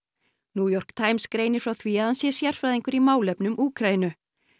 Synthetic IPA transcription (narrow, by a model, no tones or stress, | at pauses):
nuːjɔr̥kt̪ʰaːjmskɾeːjnɪɾ̥fɾawθʰviːaðansjɛsjar̥fɾajðiŋkʏɾimaːwlɛpnʏmʔuːkʰɾajɪnʏ